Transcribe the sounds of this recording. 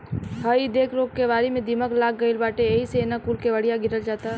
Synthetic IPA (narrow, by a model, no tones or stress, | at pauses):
ɦəid̪eːkɾoːkkːeʋaːɾimẽd̪iməklaːkɡəɪlbaːʈeeɦiseeːnakuːlkeʋəɽijaɡɪɾəld͡ʒaːt̪a